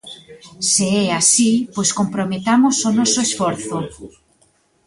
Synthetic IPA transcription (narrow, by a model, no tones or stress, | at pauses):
seɛasipojskompɾomet̪amʊsonɔsʊesfɔɾθʊ